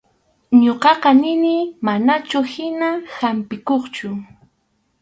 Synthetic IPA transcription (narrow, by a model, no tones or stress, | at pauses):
ɲoqɑqɑnɪnɪmanat͡ʃʊhɪnahampɪkoχt͡ʃʊ